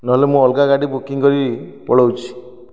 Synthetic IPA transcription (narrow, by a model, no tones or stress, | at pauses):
nɔɦelemũɔlkaɡaɽibukiŋkɔɾiɾepɔɽɔwt͡ʃʰi̥